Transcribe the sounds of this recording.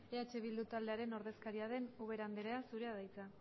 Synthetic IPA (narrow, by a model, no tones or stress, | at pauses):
eat͡ʃe̞β̞ild̪ut̪ald̪e̞aɾe̞no̞ɾðe̞skaɾiaðe̞nuβ̞e̞ɾand̪eɾeasuɾe̞aðajt͡sa